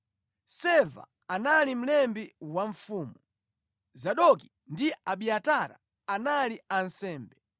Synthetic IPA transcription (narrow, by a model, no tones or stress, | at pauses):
sɛva̰ | analim̩lɛmbiwaɱfuːmu | zaɗɔki | ndiaɓiataɾa̰ | analiansɛːmbɛ